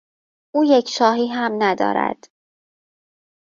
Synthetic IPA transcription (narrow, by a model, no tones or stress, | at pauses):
ʔuːje̞cʰʃɒːɦiːɦæmnæd̪ɒ̰ːɾæ̰d̪̥